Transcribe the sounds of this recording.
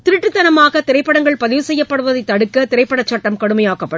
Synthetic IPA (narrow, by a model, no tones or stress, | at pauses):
t̪ɪɾɯʈːɯt̪ːɐnɐmaːɣɐt̪ɪɾɐɪpːɐɽɐŋɡɐɭpɐðɪʋɯsɛjːɐpːɐɽɯʋɐðɐɪt̪ːɐɽɯkːɐt̪ɪɾɐɪpːɐɽɐt͡ʃːɐʈːɐmkɐɽɯmɐjaːɣɐpːɐɽɯ